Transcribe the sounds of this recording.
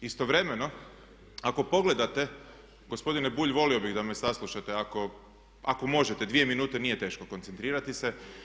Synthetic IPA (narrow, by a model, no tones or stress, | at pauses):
ist̪o̞ʋɾe̞me̞no̞ | ako̞po̞ɡle̞d̪at̪e̞ | ɡo̞spo̞d̪inebuːʎʋo̞lio̞biɣd̪ame̞saslˠuʃat̪eako̞ | ako̞mo̞ʒet̪ed̪ʋie̞minuːt̪ɛnije̞t̪e̞ːʃkoko̞nt̪sent̪ɾiːɾat̪ise